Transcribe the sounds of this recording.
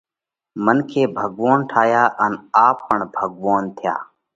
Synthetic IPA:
mənkʰeːbʱəɡʋoːnʈʰaːjaːʔənaːppəɳbʱəɡʋoːnt̪ʰɪja̰ː

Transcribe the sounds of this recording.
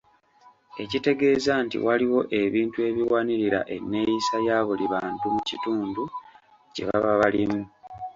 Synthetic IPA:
e̞cite̞ɡe̞ːzantḭwaliwo̞ʔe̞βiːntue̞βiwaːniɾiɾa̰ʔe̞nːe̞ːjisajaːβuliβaːntumucituːndu | cḛβa̰βaβalimu

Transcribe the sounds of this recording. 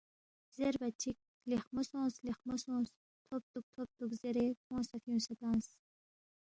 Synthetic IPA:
z̥eɾbɐt͡ʃʰik̚ | liχmosõːsliχmosõːs | t̪ʰop̚t̪uk̚t̪ʰop̚t̪ukzeɾekõːsɐfjũːsɐt̪ãːs

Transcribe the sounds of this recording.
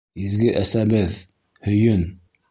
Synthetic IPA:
izɡɘʔæsæbɘð | hɵ̆jɵn

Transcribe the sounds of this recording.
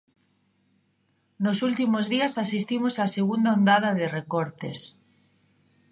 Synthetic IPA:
nosult̪imozðiasasist̪imosaseɣund̪aond̪að̞aðerekoɾt̪ḛs

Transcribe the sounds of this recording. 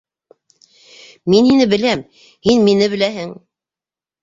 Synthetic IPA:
minhinɘbɘ̆læm | hinminɘβɘ̆læɦɘŋ

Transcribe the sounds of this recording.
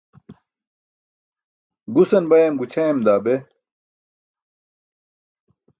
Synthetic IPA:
ɡusɐnbɐjɐmɡut͡ɕʰɐjɐmd̪aːbe

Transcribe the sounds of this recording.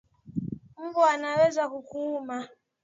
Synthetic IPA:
m̩buanawɛzakukuma

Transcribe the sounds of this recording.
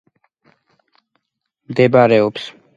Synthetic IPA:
md̪ɛbaɾɛɔps

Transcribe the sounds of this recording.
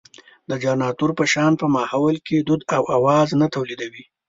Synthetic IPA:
d̪əd͡ʒɑnɑt̪uɾpəʃɑnpəmɑhawəlked̪ʊd̪awʔawɑznat̪awlid̪awi

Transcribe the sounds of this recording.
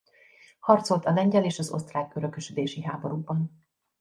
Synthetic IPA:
hɒrt̪so̞lt̪ɒlɛɲɟɛleːʃɒzo̞̰st̪raːɡøɾø̞køʃød̪eːʃiɦaːbo̞ɾuːbɒn

